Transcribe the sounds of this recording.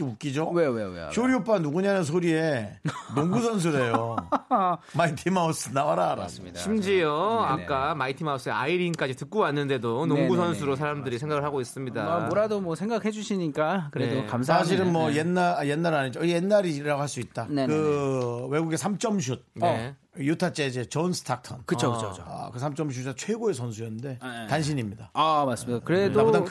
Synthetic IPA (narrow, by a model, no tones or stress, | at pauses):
kuk͈id͡ʑowewḛɕʰoɾiop͈anuɡuɲanɯns̬ʰoɾie̞noŋɡus̬ʰʌns̬ʰuɾe̞jo | maitʰimaus͈ɯnawaɾaɾa̰smidɕʰimd͡ʑiʌakk͈amaitʰimaus͈ɯea̰iɾiŋk͈ad͡ʑitɯk͈̚owanːɯnde̞donoŋɡus̬ʰʌnsʰuɾosʰaɾamdɯɾisʰe̞ŋɡaɡɯɭɦaɡois͈ɯmɲida̰amoɾadomwʌsʰe̞ŋɡakhed͡ʑuɕʰiɲik͈akɯɾedokamsʰaɕ̬ʰiɾɯnmwʌjenːajenːaɾaɲid͡ʑojenːaɾiɾaɡoɦaɭs͈uit̚t͈ankɯwe̞ɡuɡe̞sʰamt͡ɕ͈ʌmɕ̬ʰud̚ | jutʰat͡ɕ͈e̞d͡ʑe̞t͡ɕʌnsʰɯ̥tʰak̚tʰʌnkɯt͡ɕʰokɯt͡ɕʰoa̰kɯsʰamt͡ɕ͈ʌmɕ̬ʰud͡ʑat͡ɕʰwe̞ɡoe̞sʰʌns̬ʰujʌnːɯnde̞tanɕ̬ʰiɲimɲidaamas͈ɯmidakɯɾe̞do